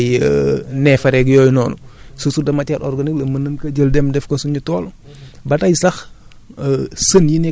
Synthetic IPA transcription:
jnɛfɐɾɛɡjɔjnɔːnususudɐmɐcaɾɔɾɡɐniklɐmɐnənkɐɟəldɛmdɛfkɔsuɲutɔːl | bɐtɐjsɐx | sənjinɛ

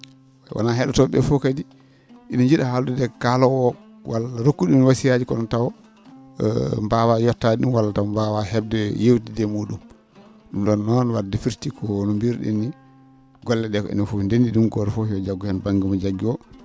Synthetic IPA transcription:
awʔa̰naɦɛɗɔtɔɓɛ̰fɔkadi | ʔinɔd͡ʒiɗahaluɗɛdɛkalɔwɔ | walaɾokːuɗunwasijad͡ʒikɔɗɔntawɔ̰ | mbawajɔtːaiɗumwalːatawɔmbawahɛb̚dɛjewtidɛmuːɗum | ɗumɗɔnːɔnwaɾdɛfiɾtikʰɔnɔmbiɾɗḭnːi | ɡɔlːɛɗɛkɔḭnɔfundendiɗumɡɔɾɛfɔjɔd͡ʒaɡːɔhɛnbaŋɡimɔd͡ʒaɡːiɔ

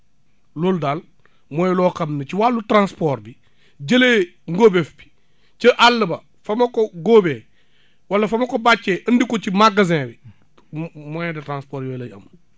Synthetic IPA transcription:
loldaːl | moːjlɔkɐmnɐt͡ʃiwalːutɾãnspɔːɾbi | ɟɐleŋɡoːbefbi̥ | t͡ʃiʔalːəbɐ | fɐmɐkɔɡoːbe | wɐlːɐfɐmɐkobat͡ʃːeːʔəndikɔt͡ʃimaɡɐzɛ̃ːbi | mɔjɛdɐtɾãnspɔːɾjɔːjlɐjɐ̰mː

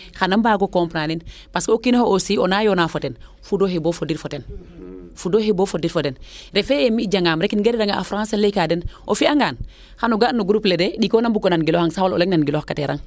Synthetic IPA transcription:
xanambaːɡokompɾanin | paskokinohoʔosionajonafoten | fudohebofodiɾfoten | fudohebofodiɾfotenɾefeemiɟaŋaːmɾekinɡedidaŋaʔafɾãnsalekaːdenʔofiaŋɡaːn | xanuɡanuɡɾuplededikonambukonanɡiloːxaŋsawolo̰leŋnanɡiloːxkateɾa̰ŋ

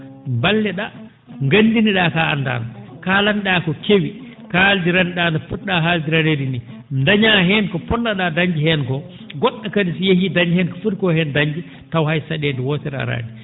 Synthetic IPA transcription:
mbalːɛɗa | ŋɡandiniɗaːkaːnda̰nɔkalanɗakɔkewi | kaldiɾanɗaːnɔfuɗːaɦaldiɾaneɾini | ndaɲaɦɛnkɔpɔndaɗadaɲd͡ʒihɛnkɔ | ɡɔɗːakadisijehidaɲihɛnkɔ̥fuɾkɔhɛndaɲd͡ʒi | tawhajsaɗeːndɛwɔːtɛɾa̰ɾa̰ːndi

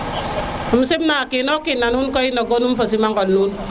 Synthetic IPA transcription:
um̩simnakinɔkinːanhunkɔinɔɡonumfos̬imaŋɡɔlnun

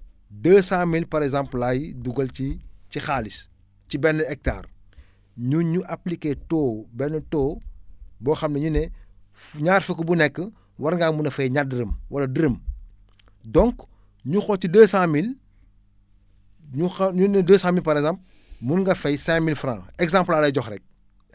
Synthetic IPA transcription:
dəːsãmilpɐɾɛɡzãmplajduɡɐlcicixaːlis | cibɛnːəɛk̚ta̰ːr | ɲuɲuʔɐplikeːtɔːbɛnːətɔː | bɔːxɐmnɐɲunɛ | ɲaːrfəkːəbunɛkːə | wɐɾŋɡamunɐfɐjɲadəɾəmwɐlɐdəɾəm | dɔŋk | ɲuxɔcidəːsãmil | ɲuxɐɲunɛdəːsãmilpɐɾɛɡzãmp | munŋɡɐfɐjsɛ̃milfrã̰ɛɡzãmplaːlɐjɟɔxrɛk̚

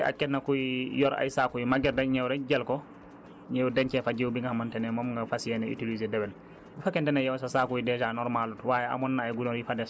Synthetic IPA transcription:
ɛʔa̰kɛnːakujjɔɾa̰jsakujimaɡɛɾdaɲɛwɾɛɟɛlkɔ | ɲɛwdɛɲt͡ʃɛfad͡ʒɛwubiŋɡahamantɛnɛmɔmŋɡafasijɛnɛḭtilizɛdɛbɛl | bifakɛntɛnajɛwsasakujidɛd͡ʒanɔɾmalutwajɛa̰mɔnːaːjɡunɔɾjifadɛs

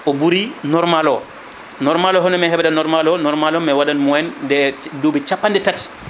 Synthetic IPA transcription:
ɔbuɾinɔɾmalɔ | nɔɾmalɔɦɔnmɛɦɛbɛdanɔɾmalɔnɔɾmalɔmɛwadanmɔɛndɛdobit͡ʃapːandɛtati̥

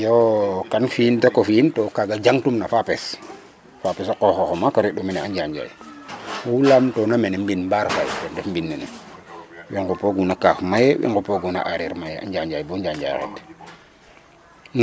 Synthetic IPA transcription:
jokanfiːntakofintɔkaɡad͡ʒaŋtumnafapes | fapɛsakɔxoxomakoɾiɗuminɛaɲd͡ʒaɲd͡ʒa̰jwoulamtɔnamenembinmbaɾfajtɛndɛfmbinːɛnɛ̰ | wiŋɡupoɡunakafmajewʔɛ̰ŋɡupoɡuna̰ʔaɾiɾmajea̰ɲɟaɲd͡ʒajbɔɲd͡ʒaɲd͡ʒa̰ɾɛ̰t

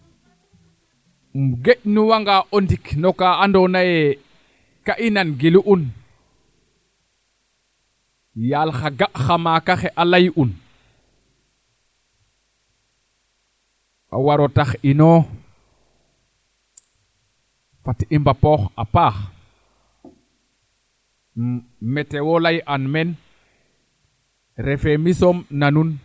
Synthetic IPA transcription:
mɡeʔnuwaŋɡaʔondiknɔkaʔaːndonajɛ | kaʔinanɡiluʔun | jalxaɡaʔxamakaxɛʔalajʔun | ʔa̰waɾɔtaxinɔ | fatimbapɔxʔapaːx | mɛtɛwɔlajʔanmɛn | ɾɛfɛmisɔmnanun

